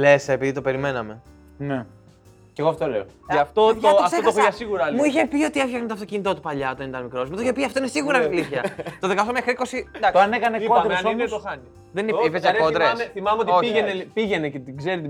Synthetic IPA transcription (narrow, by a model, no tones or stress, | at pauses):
lesɐepiðit̪ope̞ɾime̞nɐme̞ | ne | ceɣoɐft̪ooleoeɐft̪oooɐteok̪oɐsiɣuɾɐlmuiçepio̞t̪iefçɐɣnot̪oɐft̪o̞cinit̪o̞t̪upɐʎɐt̪oenit̪ɐnmikɾo̞smut̪oiçepiɐft̪oinesiɣuɾɐliθçɐt̪oðekɐft̪omexɾiko̞sid̪ɐkɐnekɐnekoɾmɐnomost̪oxɐni | ðeninepivezɐkod̪ɾeɐseθimɐmeo̞t̪oiʝeneipiʝe̞necet̪iɡzeɾit̪i